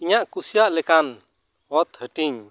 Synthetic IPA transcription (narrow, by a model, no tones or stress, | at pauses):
iɲaʔkusijaʔlɛkan | hɔt̪̚həʈiɲ